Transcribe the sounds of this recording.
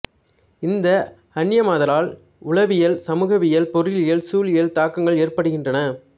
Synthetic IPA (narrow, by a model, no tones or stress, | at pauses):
ɪnd̪ɐ | ɐɳjɐmaːðɐlaːl | ʊɭɐʋɪjɐlsɐmuːɣɐʋɪjɐlpɔɾɪlɪjɐlsuːlɪjɐlt̪aːkːɐŋɡɐɭeːrpɐɽɯɣɪndrɐnɐ